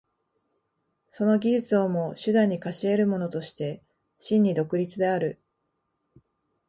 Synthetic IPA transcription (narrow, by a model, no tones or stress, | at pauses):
so̞no̞ɡʲiʑɨt͡sɨo̞mo̞ɕɨd̪ãɲ̟ːikaɕie̞ɾɯ̟mo̞no̞t̪o̞ɕi̥t̪e̞ | ɕĩɲ̟ːid̪o̞kɯ̟ɾʲit͡sɨd̪e̞aɾɯ̟